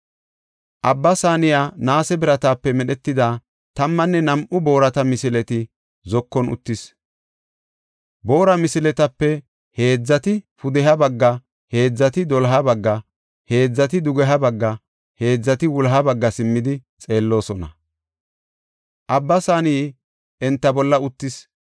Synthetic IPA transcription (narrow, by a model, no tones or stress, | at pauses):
ʔɐbːɐsaːnɪjaːnaːsɛbɪɾɐt̪aːpːɛmɛɗɛt̪ːɪd̪aː | t̪ɐmːɐnːɛnɐmʔʊbo̞ːɾɐt̪ɐmɪsɪlɛt̪ɪ | zɔkːɔnʊ̰t̪ːɪs | bo̞ːɾɐmɪsɪlɛt̪ɐpːɛ | he̞ːd͡zːɐt̪ɪfʊd̪ɛɦɐbɐɡːɐ | he̞ːd͡zːɐt̪ɪd̪ɔlɦɐbɐɡːɐ | he̞ːd͡zːɐt̪ɪd̪ʊɡɛɦɐbɐɡːɐ | he̞ːd͡zːɐt̪ɪwʊlɦɐbɐɡːɐsɪmːɪd̪ɪ | t͡sʼe̞ːlːo̞ːsɔnɐ̰ | ʔɐbːɐsaːniː | ʔɛnt̪ːɐbɔlːɐʊt̪ːɪs